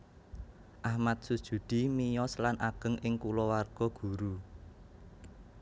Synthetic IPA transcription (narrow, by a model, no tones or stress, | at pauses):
ʔahmat̪̚sud̥ʒ̥ṳd̪̥i̤mijɔslanʔaɡ̥ə̤ŋʔɪŋkulɔwarɡ̥ɔ̤ɡ̥ṳɾu